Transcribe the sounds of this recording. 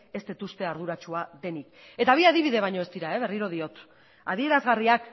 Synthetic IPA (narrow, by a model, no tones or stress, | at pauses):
e̞st̪et̪ust̪e̞aɾðuɾat͡ʃuaðe̞nike̞t̪aβ̞iaðiβ̞iðe̞β̞ajɲo̞est̪iɾae̞β̞e̞riɾo̞ð̞io̞t̪ | að̞ie̞ɾazɣariak